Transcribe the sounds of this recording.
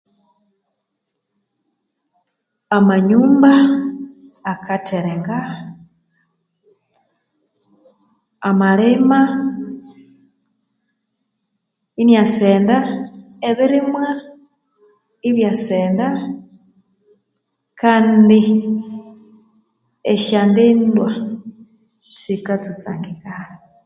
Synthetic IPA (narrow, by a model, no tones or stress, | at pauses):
amaɲuːmbaː | kʰatʰeɾeŋɡa | amalema | injaseːnda | eβiɾimwa | iβjaseːnda | kʰaːndi | eʃandindwa | sikat͡sut͡sa̰ːŋɡiɡala